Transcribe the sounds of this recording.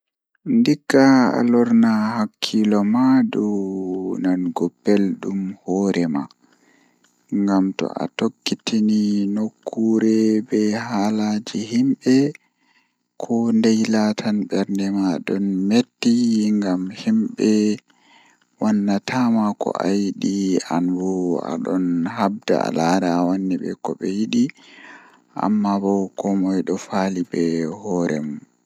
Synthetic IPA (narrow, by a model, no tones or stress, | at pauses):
ndikːaa̰lɔɾnahakʰːilɔmaɗu | nanɡɔbːɛlɗumhɔɾɛma̰ | ŋɡamtɔ̰ʔa̰tokːitininokʰːuːɾɛbɛhalad͡ʒihimɓɛ | kʰɔndɛjlatʰanɓɛɾndɛmaɗɔnmetːiŋɡamhimɓɛ | wanːatamakɔ̰ʔajiɗianwɔa̰ɗɔnhab̚da̰a̰laɾawanːiɓɛ̰kɔɓɛjiɗi | ʔa̰mːabɔkɔmɔjɗɔfalibɛhɔːɾʔɛ̰mun